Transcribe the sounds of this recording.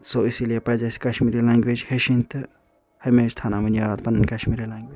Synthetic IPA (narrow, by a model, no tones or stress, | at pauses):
soisilijepɐd͡ʒasi̥kɐʃmiɾilãːŋɡwed͡ʒheʃint̪ɨ | hɐmesst̪ʰaːnamɐnaaːd̪̚pɐnːɐnkɐʃmiɾilãːŋɡweːd͡ʒ